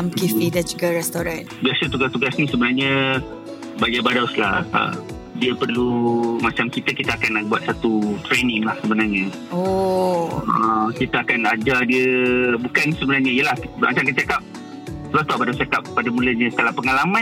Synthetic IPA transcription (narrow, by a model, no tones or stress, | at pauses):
mkifidad͡ʒuɡaɾɛst̪oɾãn | biasət̪uɡast̪uɡasnĩsəbənarɲə̃ | bajabadawsla̰hə̰ | diəpərlumat͡ʃamkit̪əkit̪əakanabuat̪̚sat̪ut̪ɾenĩŋlahsəbənarɲə | o | ə̰kit̪əakanad͡ʒadiəbukansəbənarɲəijəlahma̰t͡ʃamŋkant͡ʃakap̚ | səbaht̪uaʔbadawst͡ʃakap̚ːadamũləɲə̃səkalapəŋalamã